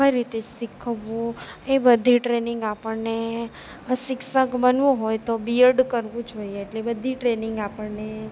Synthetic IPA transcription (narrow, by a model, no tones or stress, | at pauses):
kəjɾit̪esɪkʰəʋːũebəd̪ʱiʈɾenɪŋɡapəɽne | sɪkʃəkbənʋũɦojt̪obiəɾɖkəɾʋũd͡ʒoieːʈlebəd̪ʱiʈɾenɪŋɡapəɽne